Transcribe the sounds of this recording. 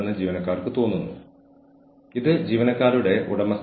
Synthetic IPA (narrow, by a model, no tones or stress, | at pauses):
nːɨd͡ʑiːʋɐnɐkːaːrkɨt̪o̞ːnːunːu | iðɨd͡ʑiːʋɐnɐkːaːɾuɽe̞ʔṵɽɐmɐs